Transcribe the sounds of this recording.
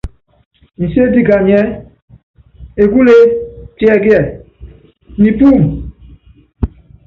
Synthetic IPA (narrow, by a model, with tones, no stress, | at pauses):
ni˨se˦di˦ɡa˨ɲ˨ɛ˦ | e˨ɡu˦le˦ti˦ɛ˦˨ɡi˦ɛ˨ | nĩ˨pu˦˨m